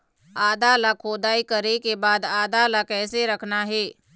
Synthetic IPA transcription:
aːd̪alakʰoːd̪aːikəɾekebaːd̪aːd̪alakɛːseɾəkʰnaɦeː

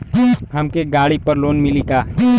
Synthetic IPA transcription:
ɦɐmkeɡaːɽipɐɾloːnmɪliɡaː

